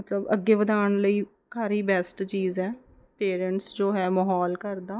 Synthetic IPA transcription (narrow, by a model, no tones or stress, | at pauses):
mət̪ləbə̰ɡːeːʋəd̪aːɳ̃ləiː | kʰaːɾiːbɛːsʈt͡ʃiːzɛː | peːɾəɳʈsd͡ʒoːɦɛːmɔɦɔːlkəɾd̪aː